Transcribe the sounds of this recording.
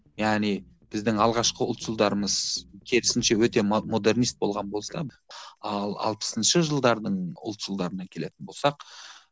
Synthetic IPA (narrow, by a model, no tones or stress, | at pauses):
jæʁni | b̥ɪzd̪ɪŋɑlˠʁɑʃqəʊ̰lˠt̪ʒəlˠd̪ɑɾəməzkʲʰeɾɪsɪnʃe̞wɵt̪e̞mo̞d̪e̞ɾrnijst̪̚bo̞̰lˠʁɑnbo̞lˠsɑ | ɑlˠɑ̰lˠpə̥sənʃəʒəlˠd̪ɑɾd̪əɴʊ̰lˠt̪ʒ̥əlˠd̪ɑɾənɑkʲʰe̞let̪ɪnbo̞lˠsɑq